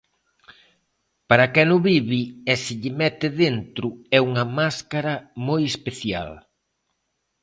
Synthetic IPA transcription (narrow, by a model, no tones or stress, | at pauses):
paɾɐkɛnʊβiβiɛsɪʎɪmɛt̪ɪðent̪ɾʊɛuŋɐmaskaɾɐmojespeθja̰l